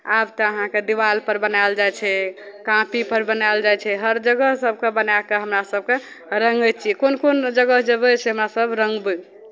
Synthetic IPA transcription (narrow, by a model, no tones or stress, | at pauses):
abt̪əəɦãked̪iʋalpəɾbənaeld͡ʒajt͡ʃʰɛkãpipəɾbənaeld͡ʒajt͡ʃʰɛɦəɾd͡ʒəɡəɦsəb̚ʱkebənakeɦəmɾasəb̚ke | ɾəŋɡət̪̚t͡ʃʰiɛkonkond͡ʒəɡəɦd͡ʒəβɛseɦəmɾasəbɾəŋɡbə